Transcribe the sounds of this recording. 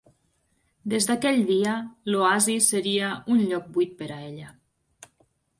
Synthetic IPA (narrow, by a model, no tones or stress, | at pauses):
d̪ezd̪akɛʎd̪iəloazisəɾiəunʎɔk̚bujt̪̚pəɾaeʎə